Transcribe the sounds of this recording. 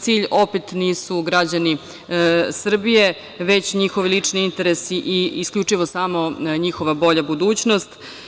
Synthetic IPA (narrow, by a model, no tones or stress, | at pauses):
siːʎo̞pet̪niːsuɡɾad͡ʑani | sr̩bije̞ | ʋet͡ɕɲixo̞ʋilit͡ʂniint̪e̞ɾesiʔiiskʎʲut͡ʂiʋo̞saːmo̞ɲixo̞ʋabo̞ʎabud̪uːt͡ɕnost̪